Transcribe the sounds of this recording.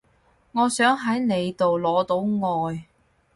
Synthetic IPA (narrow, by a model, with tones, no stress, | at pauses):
ŋɔː˨˧sœː˨˥ŋɦɐ˨˥jne˨˧jt̪o˨wlɔː˨˧t̪o˨˥wŋɔː˨j